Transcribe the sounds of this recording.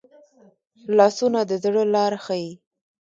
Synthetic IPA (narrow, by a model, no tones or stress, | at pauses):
lɑsunad̪əzɽəlɑɾxaji